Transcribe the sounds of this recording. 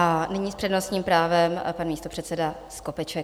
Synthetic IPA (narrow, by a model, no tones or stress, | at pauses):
ʔanɪɲiːspr̥ɛdnosɲiːmpɾaːvɛmpanmiːst̪o̞pr̝̥ɛt̪sɛdasko̞pɛt͡ʃɛk